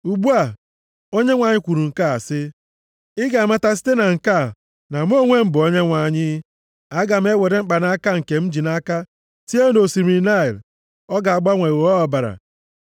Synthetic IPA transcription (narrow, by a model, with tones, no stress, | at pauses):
u˨ɡ͡bu˦a˨ | o˦ɲe˦ŋʷa˨ɲɪ˦kʷu˨ɾu˨ŋ̩˨ka˦a˨sɪ˦ | ɪ˦ɡa˨a˨ma˦ta˦s̬i̥˦te˦na˨ŋ̩˨ka˦˨ | na˨m̩˦o˦ŋʷe˦m̩˦bʊ˨o˦ɲe˦ŋʷa˨ɲɪ˦ | a˦ɡa˨m̩˦e˦we˨ɾe˨ŋ͡m̩˦k͡pa˨na˦ka˦ŋ̩˨ke˨m̩˦d͡ʒi˨na˦ka˦ | ti˦e˦no˨si˨mi˨na˦i˨l | ɔ˦ɡa˨a˨ɡ͡ba˦ŋʷe˨ɔ˦ɔ˨ba˨ɾa̰˨